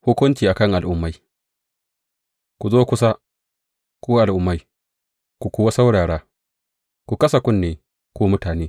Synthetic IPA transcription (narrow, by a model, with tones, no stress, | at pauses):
hʊ˦kʷʊ˦nt͡ʃiː˨ʔa˨kɐ˦˨ŋʔa˨lʔʊ˦mːa˦j | kʷu˨zoː˦kʷʊ˦s̬a˦ | kʷoː˦ʔa˨lʔʊ˨˦mːa˦j | kʷu˨kʷoː˦wa˦sa˦wɽaː˨ɽaː˦ | kʷu˨kɐ˦sa˨kʷʊ˦nːeː˨ | kʷoː˦mʊ˦taː˨neː˦